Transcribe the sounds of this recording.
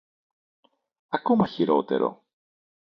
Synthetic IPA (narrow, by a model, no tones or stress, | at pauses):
akomaçiɾo̰ːt̪ḛɾo̰